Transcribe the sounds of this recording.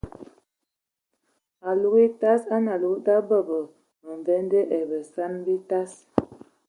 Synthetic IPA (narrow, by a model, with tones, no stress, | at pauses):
a˨lu˦ɣi˦ta˦sa˦na˨lu˨˦da˦bə˦˨bə˨ | ə˨ɱ˨vɛ˦ndɛ˦ʔɛ˨bə˨sa˦nbi˦ta˦s